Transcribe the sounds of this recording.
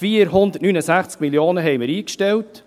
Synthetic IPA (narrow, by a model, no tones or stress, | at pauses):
fiːəɾɦʊnd̪ət̚nyːnəsæχt͡sk̚miljoːnəɦɛjməɾiːkʃtɛlt